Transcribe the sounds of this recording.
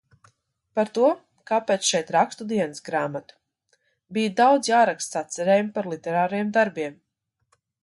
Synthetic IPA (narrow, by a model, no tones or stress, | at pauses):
paɾt̪uɔ | kaːpeːt̪sʃɛjt̪ɾakst̪ud̪iɛnəsɡɾaːmat̪u̥ | bijad̪awd̪zjaːɾakst̪sat̪sɛɾeːjumpaɾlˠit̪ɛɾaːɾajɛmd̪aɾbiɛm